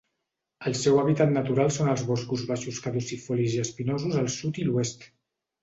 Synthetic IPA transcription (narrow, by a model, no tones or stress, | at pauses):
əlˠsɛwəβit̪at̪nət̪uɾalˠsonəlˠzβɔskuzβaʃuskəðusifɔliziəspinozuzəlˠsut̪iluɛst̪